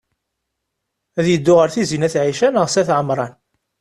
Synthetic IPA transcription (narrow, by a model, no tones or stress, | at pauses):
æðjəd̪ːʊʁəɾθizinæθʕiʃænəʁsæθʕəmɾˤɑn